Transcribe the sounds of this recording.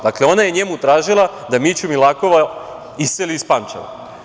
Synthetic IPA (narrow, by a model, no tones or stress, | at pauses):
d̪akle̞o̞naje̞ɲe̞mut̪ɾaːʒilˠad̪amit͡ɕumilako̞ʋa | iseliːspamt͡ʃa̰ʋa̰